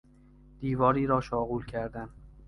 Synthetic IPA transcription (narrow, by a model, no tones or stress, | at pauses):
d̪̥iːvɒːɾiːɾɒːʃɒːɣuːlcʰæɾd̪æn